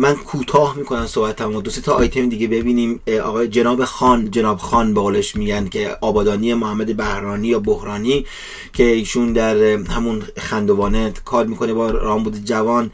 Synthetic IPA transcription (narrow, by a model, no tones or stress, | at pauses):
mænkʰuːt̪ʰɒːhmiːkʰo̞næmsoːbæt̪ʰæmod̪ose̞t̪ʰɒʔːjt̪ʰemd̪iːɡebe̞biːniːmɒ̰ːɣɒːjed͡ʒe̞nɒːbexɒːnd͡ʒenɒːbxɒːnbeɣoːleʃmiːɟænd̪̥cʰe̞ʔɒːbɒːd̪ɒːniːjemohæmːæd̪ebæhɾɒːniːjɒːbohɾɒːniː | cʰe̞iːʃund̪æɾhæmunxænd̪o̞vɒːnekʰɒːɾmiːkʰo̞nebɒɾɒːmbuːd̪ed͡ʒævɒːn